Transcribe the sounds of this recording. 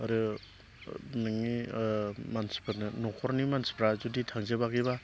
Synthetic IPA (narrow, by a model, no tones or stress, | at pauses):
aɾɯ | nɯŋi | manspanɯnɔkʰɔɾnimanspɾazuditʰaŋzebaɡiba